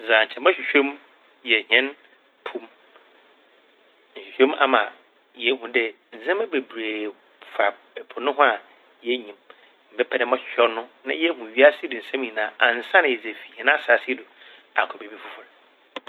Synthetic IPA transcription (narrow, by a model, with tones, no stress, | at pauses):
zã˨ɲ̩˨t͡ɕʰɛ˨mã˦ɕᶣi˨ɕᶣo˦m | jɛ˨ɲɛ̃˦n | pʰũ˦m | n̩˨ɕᶣɪ˨ɕᶣo˦ma̰˦mã˨ | jɛ˨˦ɦũ˦dɛ˦ | n̩˨zɛ̃˦mɛ̃˦be˨bɾeː˨ | fa˨ | ɛ˨pʰʊ˨nʊ̃˦ɦʊ̃˦a˨ | jɛ˦ɲĩ˨m | m̩˨bɛ˦pʰɛ˦dɛ˦mɔ̃˦ɕᶣɕᶣɔ˦nʊ̃˦nã˦jɛ˦hʊ̃˨ɥi˦a˦sɪ˦dʊ̃˨n̩˨sɛ̃˦m˦ĩ˨nãː˨ʔa˨n̩˨sã˦nɪ̃˨ɛ˨d͡ze˨fi˨ɲɛ̃˨nã˦˨sa˨sɪ˦dʊ˨ | a̰˨kʰɔ˨be˨bi˦fʊ˦fʊ˦ɾ